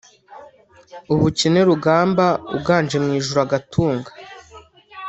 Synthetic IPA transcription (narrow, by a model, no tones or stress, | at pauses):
uβucineɾuɡaːmbaṵbɡaːnd͡ʒe̞mŋiːʒuɾaɡatʰuːŋɡḁ